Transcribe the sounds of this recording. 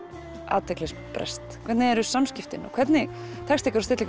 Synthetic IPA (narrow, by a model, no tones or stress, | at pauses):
a̰ːt̪ʰɛklɛspɾɛ̰st̪kʰvɛt̪nɪɛɾʏsamscɪft̪ɪnɔ̰kʰvɛt̪nɪ | t̪ʰɛkst̪ikaɾɔst̪ɪt̪lɪk